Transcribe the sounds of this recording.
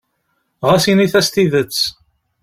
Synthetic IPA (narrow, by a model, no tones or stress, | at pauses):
ʁæsiniθæst̪iðət͡sː